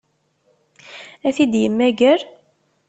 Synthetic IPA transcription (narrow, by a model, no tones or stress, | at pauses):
æθid̪jəmːæɡəɾ